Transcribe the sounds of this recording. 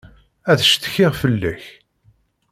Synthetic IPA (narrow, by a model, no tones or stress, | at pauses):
æθə̥ʃt̪ə̥çɪʁfəlːæç